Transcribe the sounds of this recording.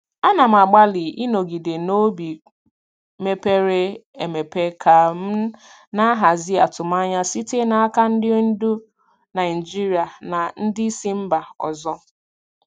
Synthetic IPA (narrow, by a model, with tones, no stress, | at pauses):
a˦na˨m̩˨a˨ɡ͡ba˦lɪ˨i˦no˨ɡi˨de˨no˦bi˨ | me˦pe˦ɾe˦e˨me˨pe˦kʰa˨m̩˦ | na˦ɦa˨zi˦a˨tʊ˨ma˦ɲa˦si˦te˦na˨a˦ka˦n̩˦dɪ˦n̩˦du˦ | na˨i˨d͡ʒi˦ɾi˨a˨na˨n̩˦dɪ˦i˦si˦m̩˦ba˨ɔ̰˨zɔ˦